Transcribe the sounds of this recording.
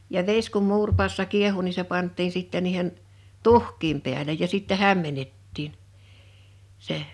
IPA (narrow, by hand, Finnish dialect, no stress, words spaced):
jɑ ʋes kum muːrpɑːsːɑ kiehu ni se pɑntˑiːn sitːɛ niːhen tuhˑkˑiːm pi̞ælej jɑ sitːɛ hæmːenetːiːn seh̆